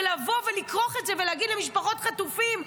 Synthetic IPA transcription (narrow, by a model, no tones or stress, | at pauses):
lavo̞velikʁoχetzeveleaɡidlemiʃpaχo̞t̪χatufim